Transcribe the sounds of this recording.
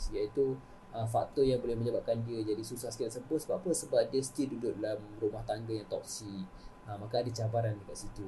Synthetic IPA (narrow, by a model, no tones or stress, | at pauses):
sjait̪u | əfa̰k̚t̪ɔjaŋbolɛhmə̃ɲəbap̚kandiəd͡ʒadisusahskɛsəbəsəbap̚pəsəbap̚diəsə̥t̪idudʊʔdalamrumaht̪aŋɡajaŋt̪ɔk̚si | əmakaːdət͡ʃabaɾandəkat̪sit̪u